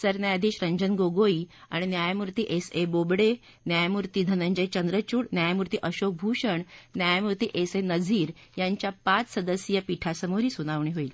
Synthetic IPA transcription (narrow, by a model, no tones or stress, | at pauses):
səɾnjajad̪ʱiːɕɾəɲd͡ʑənɡoɡoiːa̰ɽ̃injajamuɾt̪iːʔesebobɽe | njajmuɾt̪iːd̪ʱənəɲd͡ʑəjt͡ɕənd̪ɾət͡ɕuːɽnjajamuɾt̪iːʔəɕok̚bʱuɕəɳnjajamuɾt̪iːʔesenəd͡ziːɾ | jaɲt͡ɕjapat͡ssəd̪əsjəpiʈʰasəmoɾiːsunaʋɳiɦoiːl